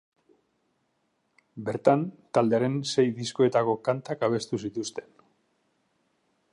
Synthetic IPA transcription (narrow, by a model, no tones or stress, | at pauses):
be̞ɾt̪ant̪ald̪e̞aɾe̞nse̞jðisko̞e̞t̪ako̞kant̪akaβ̞e̞st̪usit̪ust̪e̞̥n